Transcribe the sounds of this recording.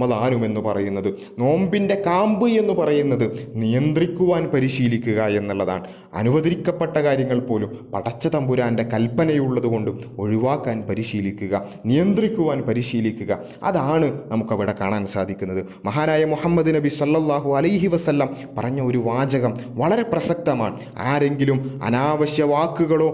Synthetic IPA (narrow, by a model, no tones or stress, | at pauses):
mɐðaːnume̞nːupɐrɐjunːɐðɨ | no̞ːmbinde̞kaːmbɨe̞nːupɐrɐjunːɐðɨnijɐnd̪rikʲːuʋaːnpɐɾiɕiːlikʲːuɣɐe̞nːɐɭːɐða̰ːɳɨ | ɐ̰nuʋɐðɾikʲːɐpːe̞ʈːɐkaːɾjɐŋːɐɭpo̞ːlumpɐɽɐt͡ɕːɐt̪ɐmbuɾaːnde̞kɐlpːɐnɐjuɭːɐðuko̞ɳɖɨo̞ɻuʋaːkːaːnpɐɾiɕiːlikʲːuɣɐ | nijɐnd̪rikʲːuʋaːnpɐɾiɕiːlikʲːuɣɐ | ɐ̰ðaːɳɨnɐmukːɐʋiɽekaːɳaːnsa̰ːd̪ʱikʲːunːɐðɨ | mɐɦaːnaːjɐmuhɐmːɐd̪unɐbisɐlːɐlˠːaːɦuɐlɐjɦiʋɐsɐlːɐm | pɐrɐɲːɐo̞ɾuʋaːd͡ʑɐɣɐm | ʋɐɭɐɾe̞prɐsɐk̚t̪ɐmaːɳɨ | aːɾe̞ŋɡilumɐ̰naːʋɐɕjɐʋaːkːuɣɐɭo̞ː